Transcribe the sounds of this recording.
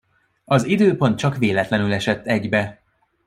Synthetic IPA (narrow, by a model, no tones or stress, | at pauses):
ɒzid̪øːpo̞nt̪̚t͡ʃɒkʋeːlɛt̪lɛnylɛʃɛt̪ːɛɟbɛ